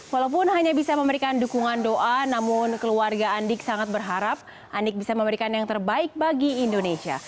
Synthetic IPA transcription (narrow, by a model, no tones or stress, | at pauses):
walawpʊnɦaɲabisaməməɾikandukuŋandoʔanamʊnkəluarɡaːndɪksaŋat̪̚bərɦaɾap̚ | ʔandɪk̚bisaməməɾikanjaŋt̪ərbaɪk̚baɡiːndonesia̰